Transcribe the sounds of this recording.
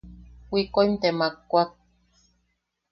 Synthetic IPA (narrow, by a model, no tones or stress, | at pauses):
wikoimt̪emakːʷat̪̚